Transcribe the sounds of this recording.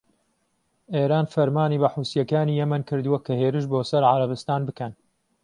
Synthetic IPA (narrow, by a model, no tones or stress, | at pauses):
ʔeːɾaːnfɐɾmaːniːbɐħuːsijɐkaːniːjɛmɐnkɨɾd̪uwɐkʰɐheːɾɨʃ̬boːsɐɾʕaɾɐbɨst̪aːnbɨkɐn